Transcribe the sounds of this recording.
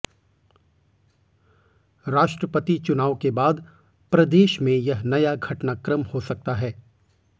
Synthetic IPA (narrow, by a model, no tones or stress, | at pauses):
ɾaːʃʈɾəpət̪it͡ʃʊnaːʋkebaːd̪ | pɾɐd̪eːʃmẽjɐɦnɐjaɡʱɐʈnakɾəmhosɐk̚t̪aɦɛː